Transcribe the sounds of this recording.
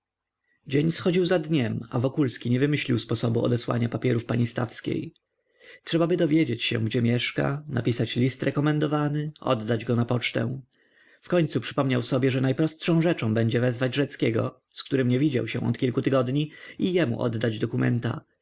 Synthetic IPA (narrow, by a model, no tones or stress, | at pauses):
d͡ʑeɲsxɔd͡ʑiwzad̪ɲɛmavɔkulskʲiɲɛvɘmɘɕlʲiwspɔsɔbuɔ̰d̪ɛswa̰ɲapapʲjɛɾufpaɲist̪afskʲḛj | tʂɛbabɘd̪ɔvʲjed͡ʑet͡ɕɕɛ̰ɡd͡ʑɛmʲjɛʂka̰na̰pʲisat͡ɕlʲist̪ɾɛkɔmɛnd̪ɔvanɘʔɔ̰d̪ːad͡ʑɡɔnapɔt͡ʂt̪ɛ̰̃ | fkɔɲt̪supʂɘ̥pɔmɲawsɔbʲjɛʐɛnajpɾɔstʂɔ̃w̃ʐɛt͡ʂɔ̃w̃bɛɲd͡ʑɛvɛzvad͡ʑʐɛt̪skʲɛɡɔ̰ | skt̪uɾɘmɲɛvʲid͡ʑa̰wɕɛ̰̃ɔ̰t̪kʲilkut̪ɘɡɔd̪ɲiijɛmṵʔɔ̰d̪ːad͡ʑd̪ɔkumɛ̰nt̪a̰